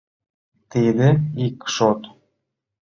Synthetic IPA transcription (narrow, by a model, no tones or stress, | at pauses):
t̪id̪ɘikʃot̪